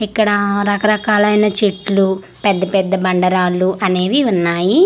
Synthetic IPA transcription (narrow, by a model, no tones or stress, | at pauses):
ikːɐɽɐɾɐkɐɾɐkaːlɐjnɐt͡ʃiʈlu | pɛd̪ːɐpɛd̪ːɐbɐɳɖɐɾaːluʔɐne̞ːʋiunːaːji